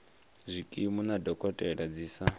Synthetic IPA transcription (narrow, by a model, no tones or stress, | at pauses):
zʷikʼimunadɔkʼɔtʼɛɺad͡ziːsa